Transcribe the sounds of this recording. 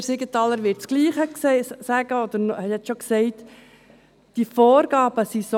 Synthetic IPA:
ɾsɪɡət̪ɑlːəɾʋɪɾtt͡sɡ̥liːχəkssæɡəɔd̪əɾnhɛthɛt͡sʃoksɛɪt | d̥ifoːɾɡ̥ɑːb̥əsiso

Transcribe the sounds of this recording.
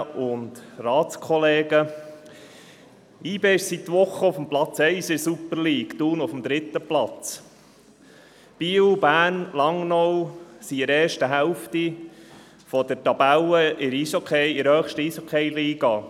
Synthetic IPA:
ʊnd̪rɑːt͡skχɔleːɡə | iːbeːɪʃsit̪ːʋʊχːəʊfəmplɑt͡sɛɪsɪsupəɾliːkt̪uːnʊfəmd̪ɾɪt̪ːəplɑt͡s | b̥iːwbæːnlɑŋnɔwsiɪɾɛːʃtəɦɛlft̪i | fɔd̥əɾtɑbæləʔɪɾisokʰχejɪɾhœːχʃtəisokʰejliːɡɑ

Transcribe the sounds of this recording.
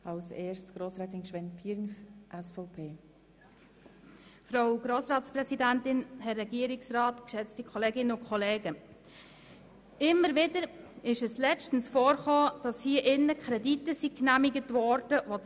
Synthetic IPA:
ɑlseːɾssɡ̥ɾoːsɾɛːt̪ɪnʃʋɛnpʰiːɾnʔɛsfɔʊpʰeː | fɾaʊɡ̥ɾoːsɾɑːtsprɛsidæntɪnhɛrːɛɡiəɾɪksrɑːtkʃɛt͡stikʰχɔleːɡɪnəʊkʰχɔleːɡə | ɪmːəɾʋɪdəɾɪʃɛslɛt͡ʃtən̩sfoːɾχoːd̥ɑshiəʔɪnːəkχɾɛditəsiknæmiɡətvɔɾd̥əʋo

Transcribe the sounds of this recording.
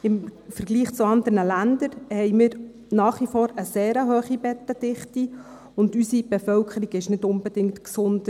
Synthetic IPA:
ɪmfəɾɡliːχt͡suɑnd̪əɾnəlænd̪əɾhɛɪmɪːɾ | nɑːχʋifɔːɾəseːɾəɦøːχibɛt̪ːəd̥ɪχti | ʊndysibefœlkʰəɾiɡɪʃnɪdʊnbɛd̥ɪŋktksʊnd̥ə

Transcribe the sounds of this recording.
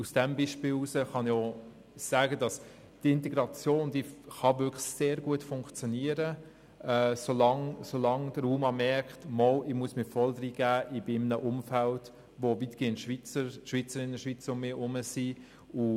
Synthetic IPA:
usd̥ɛmbiʃpɪːluːsəχɑno | sæːɡədɑs | tɪntɛɡɾɑt͡sjoːndiːχɑvʏkχseːɾɡuətfʊŋkχt͡sjoniəɾə | ɛsolɑŋsolɑŋd̥əɾuːmɑmɛɾkχtmɔlɪmuəsmɪfɔldɾiɡ̥æːʔɪbɪmnəʔʊmfælt | ʋovitɡ̥eːnʃʋit͡səʃʋit͡səɾɪnəʃʋit͡sʊmmɪːɾʊməsi | ʊ

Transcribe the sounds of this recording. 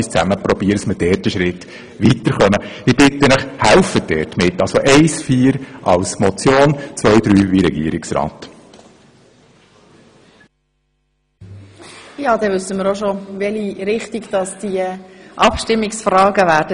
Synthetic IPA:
ist͡sæməpɾɔbiːɾsməd̥ɛːɾtəʃɾɪt | ʋitəɾχœməib̥ɪtənəχhælfəd̥ɛ̰ːtmɪtːɑlsoʔɛɪsfiːɾʔɑlsmɔt͡sjoːnt͡sʋœʏd̪ɾyːʋiɾɛɡḭːəɾɪksɾɑ̰ːt̪ | jɑːd̥ɛʋʏsːəməɾoʃoʋɛliɾɪχtɪɡd̥ɑsd̥iəʔɑpʃtɪmːɪksfrɑːɡəʋæːɾdə

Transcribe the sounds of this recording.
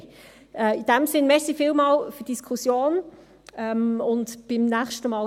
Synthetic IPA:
ɛːid̥æmsɪnmɛsifiːlmɑːlfəd̥iskʰusjoːn | ɛmʊndb̥ɪmnæχʃtəmɑːl

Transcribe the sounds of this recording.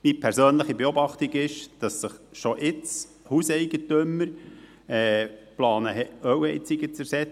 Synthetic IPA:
mipʰɛɾsøːnləχibeobɑχtiɡɪʃd̥ɑsːəχʃoʔɪt͡s | husɛɪɡətøməɾ | ɛːplɑːnəɛœwɛɪt͡siɡət͡sɛɾsɛt͡s

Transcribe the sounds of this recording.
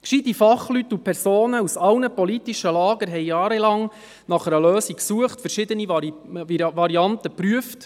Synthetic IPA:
kʃid̪ənifɑχlyt̪ːupʰɛɾsoːnəusɑlnəpɔlit̪iʃəlɑːɡəɾɦɛɪjɑːɾɛlɑŋ | nɑχəɾəløːsiksuəχtfəɾʃɪd̪əni | vɑɾiɑntəpɾyəft

